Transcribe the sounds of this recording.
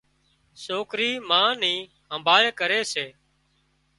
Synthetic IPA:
soːkɾiːmãːnĩː | ɦəmbʱaːɭkəɾeːseː

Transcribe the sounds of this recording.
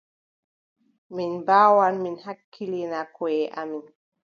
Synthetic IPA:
minbaːwanminhakʰːilinakɔjɛʔamin

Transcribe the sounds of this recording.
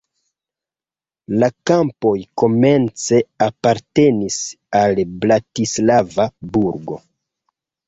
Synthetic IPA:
lakampo̞jko̞me̞nt͡se̞apaɾte̞nis | alblatislavabuɾɡo̞̰

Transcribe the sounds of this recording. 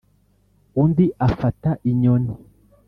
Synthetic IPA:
undiʔafataʔiɲoni

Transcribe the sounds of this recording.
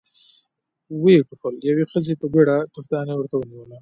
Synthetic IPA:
weʈuxəljawexəzepəbeɽat̪ʊfd̪ɑnewəɾt̪awəniwəla

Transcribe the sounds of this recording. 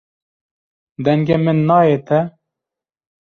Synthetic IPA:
d̪ɛŋɡemɨnːɑːjet̪ɛ

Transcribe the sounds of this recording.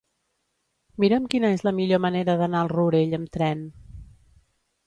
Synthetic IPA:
miɾəmkinəezləmiʎoməneɾəðənaəlˠruɾeʎəmt̪ɾɛn

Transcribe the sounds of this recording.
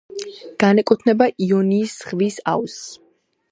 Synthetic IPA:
ɡ̥anɛkʼut̪ʰnɛbaʔiɔniːsχvisa̰ws

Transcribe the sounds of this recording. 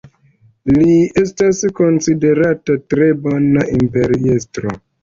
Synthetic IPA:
lie̞stasko̞nside̞ɾatatɾe̞bonaʔimpe̞ɾiestɾo̰

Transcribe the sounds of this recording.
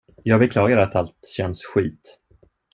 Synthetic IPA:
jɑːɡbɛkʰlɑːɡaɾat̪ʰalt̪ɕɛnsɧiːt̪

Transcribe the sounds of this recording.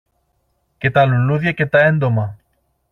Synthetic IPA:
ket̪aluluðjeket̪aend̪oma

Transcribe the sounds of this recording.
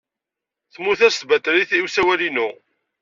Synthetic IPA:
θmuθæst̪bæt̪ɾiθiwsæwælinu

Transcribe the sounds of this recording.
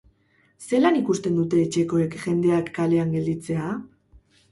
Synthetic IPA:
se̞lanikust̪e̞nd̪ut̪e̞ːt͡ʃe̞ko̞ekʝe̞nd̪e̞akːale̞aŋɡe̞ld̪it͡se̞a

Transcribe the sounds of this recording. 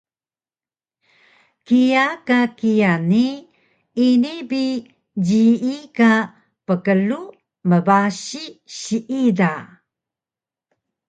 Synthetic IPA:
kijakakijani | inibi | d͡ʑiika | pəkəlu | məbaɕiɕiʔida

